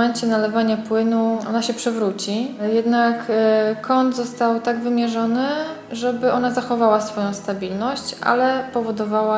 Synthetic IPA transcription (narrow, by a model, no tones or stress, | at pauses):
ɛɲt͡ɕɛnalɛvaɲapwɘnuʔɔ̰naɕɛpʂɘvɾut͡ɕijɛd̪nakːʰ | ɔnd̪zɔst̪awt̪aɡvɘmʲjɛʐɔnɘ | ʐɛbɘʔɔn̪azaxɔvawasfɔjɔ̃w̃st̪abʲilnɔɕt͡ɕʔa̰lɛpɔvɔd̪ɔvawa